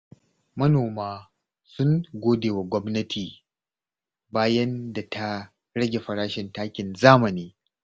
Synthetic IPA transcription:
mɐ˦noː˨maː˦ | sʊ˦ŋɡʷoː˦deː˨wa˨ɡʷɔ˦mnɐ˦tʰiː˨ | baː˦jɐ˦nda˨tʰa˦ | ɾɐ˦ɡʲe˨ɸɐ˨ɾaː˦ʃɪ˨ntaː˦kʲɪ˨nzaː˦mɐ˨niː˦

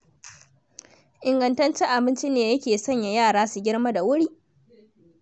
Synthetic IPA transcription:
ʔɪ˨ŋɡɐ˨ntɐ˦nt͡ʃɛ˦ʔa˨bɪ˦nt͡ʃi˦neː˨jɐ˦kʲeː˨sɔ˦˨ɲja˨jaː˦˨ɽaː˦su˨ɡʲɪ˦ɽma˦da˨wʊ˦ɽiː˦

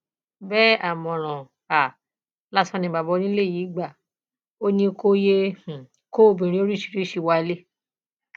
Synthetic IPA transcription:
bɛ˦a˨mɔ̃˨ɾ̃ã˨ | a˨ | la˦sã˧nĩ˧˨ba˨bɔ˧nĩ˦le˦˨ji˨˦ɡ͡ba˦˨ | o˦nĩ˧ko˦jẽ˦˨ | ko˦bĩ˨ɾ̃ĩ˧˦o˦ɾi˦˨ʃi̥˧˨ɾi˦ʃi˧wa˧le˦

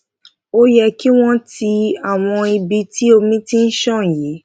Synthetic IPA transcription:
o˦jɛ˧ki˦w̃ɔ̃˦ti˧a˦˨w̃ɔ̃˧i˧bi˧ti˦o˧mĩ˦ti˦n̩˦ʃɔ̃˦˨ji˨˦

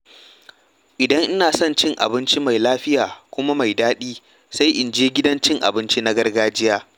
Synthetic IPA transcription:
ʔɪ˨dɐ˦ŋʔɪ˦naː˨sɔ˦˨nt͡ʃɪ˦ŋʔa̰˨bɪ˦nt͡ʃi˦ma˨jlaː˦ɸɪ˦jaː˨kʷʊ˦ma˦ma˨jdaː˦ɗiː˦ | sa˦jʔɪ˨nd͡ʒeː˦ɡʲɪ˦dɐ˦nt͡ʃɪ˦ŋʔa̰˨bɪ˦nt͡ʃi˦na˦ɡɐ˦rɡaː˦d͡ʒɪ˦jaː˦

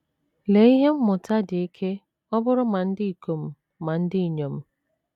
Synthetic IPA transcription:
le˨i˦ɦe˦m̩˦mʊ˨ta˦dɪ˨i˦kʰe˦ | ɔ˦bʊ˦ɾʊ˦ma˨n̩˦dɪ˦i˨ko˨m̩˦ | ma˨n̩˦dɪ˦i˨ɲo˨m̩˦

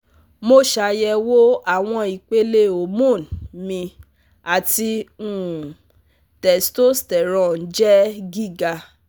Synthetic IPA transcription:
mo˦ʃa˧jɛ˧wo˦a˦˨w̃ɔ̃˧i˨k͡pe˦le˦o˨mũ˦˨nmĩ˧ | a˨ti˧ũ˦˨ | tɛ˨sto˦stɛ˨ɾɔ̃˨n˨d͡ʒɛ˦ɡi˦˨ɡa˧

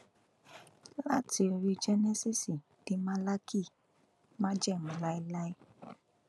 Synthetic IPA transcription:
la˦ti˧ɾi˧d͡ʒɛ˦nɛ˦si˦si˨ | d̥i˨˦ma˦la˦ki˦˨ | mã˦d͡ʒɛ˦˨m̩˨la˦i˦la˦i˦

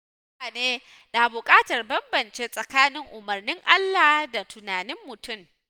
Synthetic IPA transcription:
a˨neː˦ | na˨bʊ˨kʼaː˦tɐ˨rbɐ˦mbɐ˨nt͡ʃe˦sʼɐ˨kaː˦nɪ˦ŋʔʊ˨mɐ˨rnɪ˦ŋʔa˦lːaː˨hda˨tʊ˨naː˨nɪ˦mːʊ˨tʊ˦˨m

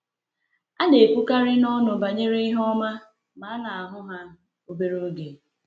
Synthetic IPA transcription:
a˦ne˨kʷu˦ka˦ɾɪ˦nɔ˦nʊ˨ba˨ɲe˦ɾe˦i˦ɦɔ˦ma˦ | ma˨˦na˨a˨ɦʊ˦ɦa˦ | o˦be˦ɾo˦ɡe˨

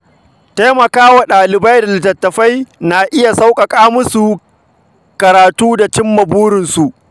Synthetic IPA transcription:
taː˦mɐ˨kaː˦waː˨ɗaː˨lɪ˨ba˦jda˨lɪ˨tɐ˨tːɐ˨ɸa˦jna˨ʔɪ˦ja˨sa˦wkʼɐ˨kʼaː˦mʊ˦su˨ | kɐ˨ɾaː˨tuː˦da˨t͡ʃɪ˦mːɐ˨buː˦ɾɪ˨nsu˨ʔ

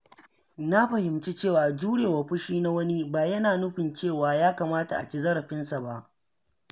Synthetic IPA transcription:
na˦ɸɐ˨hɪ˨mt͡ʃi˦t͡ʃeː˦˨waː˨d͡ʒuː˦ɽeː˨wa˨ɸʊ˦ʃiː˦na˦wɐ˦ni˦baː˨jɐ˦naː˨nʊ˦ɸɪ˨nt͡ʃeː˦˨waː˨jaː˦kaː˨maː˦ta˨ʔa̰˨t͡ʃi˦zɐ˦ɽɐ˨ɸɪ˦nsa˨ba˦ʔ

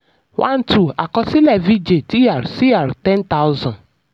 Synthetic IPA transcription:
wʔã̰˦n˦tʰu˨a̰˨kɔ˦si˦lɛ˨vi˦d͡ʒe˨ti˦ja˨ɾsi˦a˨ɾtɛ̃˦nta˦ʊ˦zɔ̃˨n

